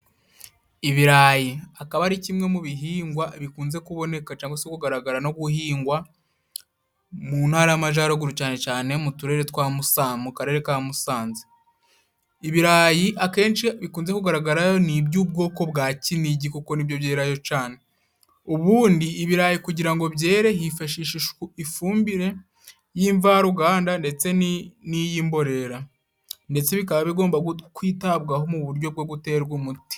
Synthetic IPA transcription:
iβiɾajiakaβaɾicimŋe̞muβiɦiːŋɡwaβikuːnze̞kuβo̞ne̞kat͡ʃaːŋɡwasekuɡaɾaɡaɾano̞ɡuhiːŋɡwa | mun̥haːɾajamaʒaːɾoɡuɾucaːne̞caːne̞mutuɾe̞ɾetkwaːmusamukaɾe̞ːɾekaːmusaːnzi̥ | iβiɾaːjiʔake̞ːnt͡ʃiβikuːnze̞kuɡaɾaɡaɾajonibɟuːb̚ɡo̞ːko̞bɡaːciniɟikuko̞nibjo̞βjeːɾajo̞t͡ʃaːne | uβuːndiːβiɾajikuɟiɾaŋɡo̞βɟje̞ːɾe̞ɦifaʃiːʃiifuːmbiɾe̞ | jiːɱvaɾuɡaːndande̞t͡se̞nnijiːmbo̞ɾe̞ɾa | nde̞t͡se̞βikaβaβiɡo̞ːmbakwiːtabɡaɦo̞muβuɾɟo̞b̚ɡo̞ɡute̞ːɾɡumuti̥

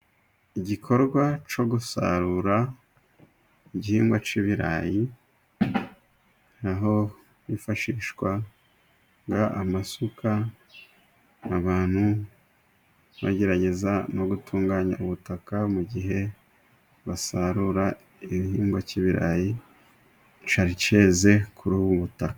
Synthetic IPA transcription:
iɟikʰo̞ɾɡwat͡ʃo̞ɡusa̰ɾuɾa | iɟihiːŋɡwat͡ʃiβiɾa̰ji | naɦo̞ | βifaʃiːʃwa | ŋɡaʔamasukʰa | aβaːn̥hu | βa̰ɟe̞ɾaɟe̞zano̞ɡutʰuːŋɡaɲa̰uβutakamuɟiɦe̞ | βasaɾuɾa | iβihiːŋɡwaciβiɾa̰ji | t͡ʃaɾice̞ːze̞kʰuɾuːβuβutaka

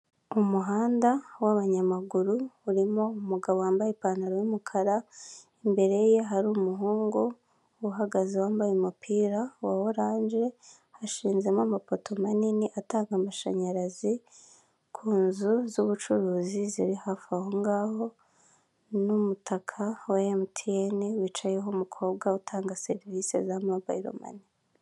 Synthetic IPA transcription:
umuɦaːndawaβaɲamaɡuɾuːɾimo̞umuɡaβowaːmbajepaːnaɾojumukʰaɾa | imbe̞ɾe̞jeɦaɾuːmuɦuːŋɡu | uwuɦaɡazewaːmbajumupʰiːɾawa̰woɾaːnd͡ʒe̞ | haʃiːnze̞mamapotʰo̞maniniʔataːŋɡamaʃaɲaɾazi | kʰuːnzuzuβut͡ʃuɾuːziziɾihafahoŋɡaho̞ | numutʰakʰawaemtʰieniwiːt͡ʃajeɦomukʰo̞ːbɡautʰaːŋɡase̞ɾivise̞̰zamobaiɾo̰ma̰ni

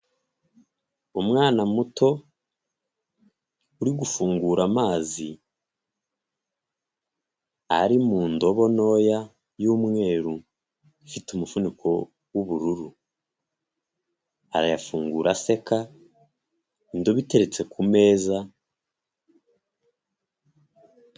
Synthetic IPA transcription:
umŋaːnamutʰo̞ | uɾiɡufuːŋɡuːɾamaːzi | a̰ɾimuːndo̞βo̞no̞ːja | juːmŋe̞ːɾu | fitumufunikʰo̞ | wuβuɾuɾu | aɾajafuːŋɡuːɾase̞ka | indoβite̞ɾe̞t͡se̞kʰume̞ːza

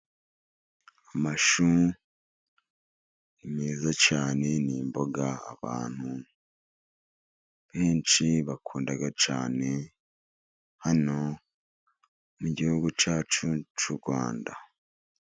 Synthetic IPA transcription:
amaʃu | imiːzat͡ʃaːne̞niːmbo̞ɡa̰ːβa̰ːn̥hu | βe̞ːnt͡ʃiβakʰuːndaɡat͡ʃaːne̞ | hano̞ | muɟihuɡut͡ʃaːt͡ʃut͡ʃuɾɡwa̰ːnda

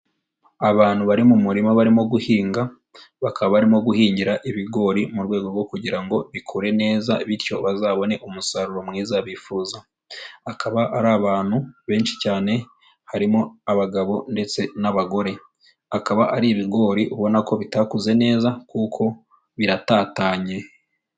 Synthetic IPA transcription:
aβaːn̥huβaɾimumuɾimaβaɾimo̞ɡuhiːŋɡa | βakaβaβaɾimo̞ɡuhiːɲɟiɾaʔiβiɡo̞ːɾimuɾɡwe̞ːɡo̞ɾɡwo̞kuɟiɾaŋɡo̞βikʰuɾe̞ne̞ːzaβitcjo̞βazaːβo̞ne̞ʔumusaɾuɾo̞mŋiːzaβifuːzaː | kʰaβaʔaɾaːβaːn̥huβe̞ːnʃi̥caːne̞ | haɾimo̞aβaɡaβo̞nde̞t͡se̞naβaɡo̞ɾe̞ | akaβaʔaɾiːβiɡo̞ːɾiʔuβo̞nako̞βitakuze̞ne̞ːzakukʰo̞ | βiɾataːtaːɲe̞

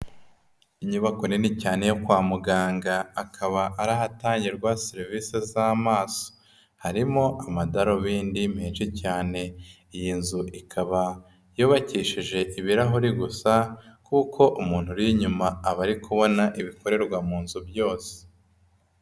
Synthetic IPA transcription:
iɲuβakonenicaːne̞jokwaːmuɡaːŋɡaːkʰaβaʔaɾaɦataːɲɟiɾɡwaseɾiviːsezaːmaːso̥ | haɾimo̞ʔamadaɾoβiːndim̥heːnʃicaːne̞ | ijinzuʔikʰaβa | joβaciːʃiʒe̞ʔiβiɾaɦuɾiɡusakuːkʰo̞ʔumuːnhuɾiɲumaːβaɾikuβo̞naʔiβiko̞ɾe̞ɾɡwamuːnzubjo̞ːse̥

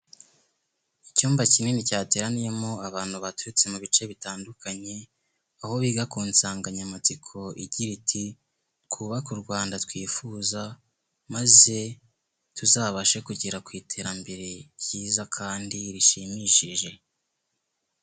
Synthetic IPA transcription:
icuːmbacine̞nicaːte̞ːɾanije̞mo̞aβaːn̥huβatuɾit͡se̞muβit͡ʃe̞βitaːndukaɲe̞ | aho̞βiːɡakuːnsaːŋɡaɲamat͡sikʰo̞ʔiɟiɾitʰi | kʰuβakuɾɡwaːndatwiːfuza | maze̞ | tuzaːβaʃe̞kuɟiɾakwiːtʰe̞ːɾambe̞ɾe̞ɟiːzakʰaːndiɾiʃimiːʃiʒe̞

